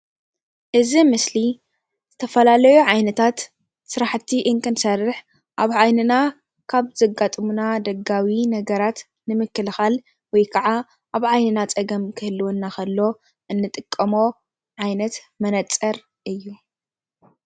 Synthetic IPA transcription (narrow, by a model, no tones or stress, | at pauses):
ʔɨzimɨsli | z̥ɨt̪ʰɐfɐlalɐjuʕajnɐt̪ʰat̪ | sɨɾaħt̪ʰiʔɨŋkʰɨnsɐrːɨħ | ʔaβʕajnɨna | kʰaβzɐɡat̪ʼmunad̪ɐɡawinɐɡɐɾat̪ | nɨmɨkːɨlxal | wɔjkʰɐʕa | ʔaβʕajnɨnat͡sʼɐɡɐmkʰɨhɨlːɨwonːaxɐlːo̞ | ʔɨnːɨt̪ʼɨkʼːɐmo̞ | ʕajnɐt̪ | mɐnɐt͡sʼːɐɾ | ʔɨjːu